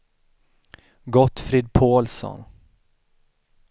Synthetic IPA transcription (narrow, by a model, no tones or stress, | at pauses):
ɡɔt̪ːfɾɪd̪̚pʰoːlsɔ̰n